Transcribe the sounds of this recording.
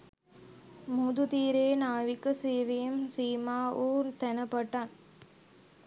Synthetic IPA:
mud̪ut̪iːɾeːnaːʋikɐseːʋijɐmsiːmaːʔuːt̪ɛnɐpɐʈːaːn

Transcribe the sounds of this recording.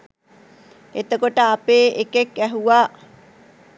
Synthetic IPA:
et̪əkoʈəapeːekekːɛɦuʋaː

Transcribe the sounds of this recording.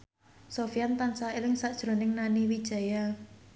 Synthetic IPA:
sofijant̪ansaelɪŋsaʔd̥ʒ̥ɾo̤nɪŋnaniwid̥ʒ̥a̤ja

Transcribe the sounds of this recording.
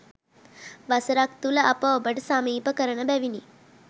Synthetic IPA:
ʋɐsəɾak̚t̪ulɐʔɐpəobəɖsamiːpəkəɾəɳɐbɛʋini

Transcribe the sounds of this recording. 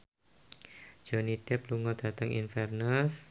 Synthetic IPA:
d͡ʒ̥onid̥ɛpluŋɔd̪̥ä̤t̪əŋḭnfɛrnəs

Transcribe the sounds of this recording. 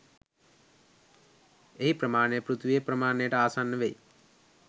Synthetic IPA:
eɦipɾɐmaːɳeːpɾut̪ʰʋieːpɾɐmaːɳeːʈɐaːsaːnːɐʋeːj

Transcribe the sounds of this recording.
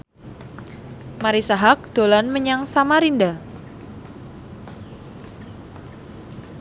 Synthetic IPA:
maɾisaɦak̚d̥olanməɲaŋsamaɾinda

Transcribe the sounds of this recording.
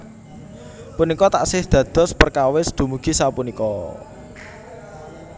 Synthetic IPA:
punikɔt̪a̰ʔsɪhd̪̥ä̤d̪̥ɔ̤spərkawɪsd̪̥ṳmuɡ̥i̤sapunikɔ

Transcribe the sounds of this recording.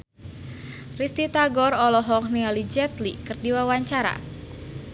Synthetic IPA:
rist̪it̪aɡɔrɔlɔɦɔknialid͡ʒɛt̪likɨrdiwawaɲt͡ʃaɾa̰

